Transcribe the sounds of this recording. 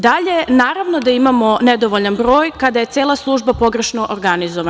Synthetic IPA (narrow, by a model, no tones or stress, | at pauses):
d̪aʎe̞naːɾaʋnod̪aimamo̞ned̪oʋoʎanbɾo̞ːjkad̪aje̞t̪seːlˠaslˠuːʒbapo̞ɡɾe̞ʃnoʔoɾɡanizoʋa